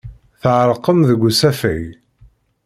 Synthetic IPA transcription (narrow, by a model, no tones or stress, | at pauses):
θəʕɾˤəqːəmðəɡʷːusæfæj